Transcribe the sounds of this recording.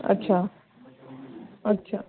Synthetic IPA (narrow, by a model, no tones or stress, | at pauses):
ə̰tːɕʰa | ɐtːɕʰa